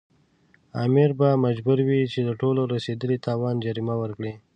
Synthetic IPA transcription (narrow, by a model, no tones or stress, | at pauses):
ɑ̰mɪɾbamad͡ʒbuɾwit͡ʃed̪əʈoloɾased̪əlit̪ʰɑwɑnd͡ʒaɾimawəɾkɽe